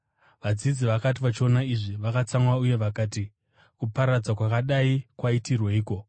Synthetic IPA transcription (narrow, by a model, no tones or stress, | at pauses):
ʋad͡zid͡ziʋakatiʋat͡ʃio̞naiʐiʋakat͡saŋwauje̞ʋakaːti | kupaɾad͡zwakwakaɗaikwaitirweiːko̞